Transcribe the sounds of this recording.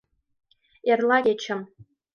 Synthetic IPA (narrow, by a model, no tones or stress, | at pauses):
erlaɡʲet͡ʃʰam